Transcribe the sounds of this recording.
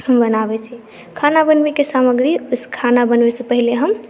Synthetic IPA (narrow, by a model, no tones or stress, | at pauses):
ɦəmbənabɛt͡ʃʰi | kʰanabənbekesaməɡɾiskʰanabənʋɛsə̃pəɦileɦəm